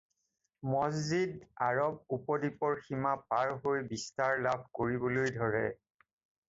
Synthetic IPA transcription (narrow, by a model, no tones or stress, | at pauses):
mɔzzidaɹɔb̚upɔdipɔɹximapaɹɦojbistaɹlabʱkoɹibɔlojdʱɔɹɛ̰